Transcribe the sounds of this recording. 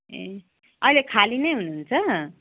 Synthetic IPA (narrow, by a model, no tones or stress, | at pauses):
ḛ | ʌilekʰalinʌjɦunuːnt͡sʰʌ